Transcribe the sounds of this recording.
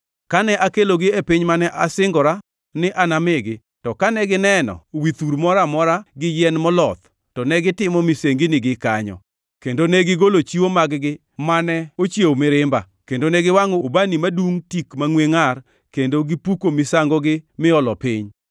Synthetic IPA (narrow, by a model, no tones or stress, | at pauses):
kanɛʔakeloɡɪepɪɲmanɛʔasɪŋɡɔɾa | nɪʔanamɪɡɪ | tɔkanɛɡɪnɛnɔ̰wit̪uɾmɔɾamɔɾaɡɪjɛnmɔlɔt̪ | tɔnɛɡɪtɪmɔmiseŋɡinɪɡɪkaɲɔ̰ | kendonɛɡɪɡolot͡ʃiwomaɡɡɪ | manɛot͡ʃjewmɪɾɪmba | kendonɛɡɪwaŋɔobanimaduŋtikmaŋweŋar | kendoɡɪpukomɪsaŋɡɔɡɪmɪɔlɔpɪɲ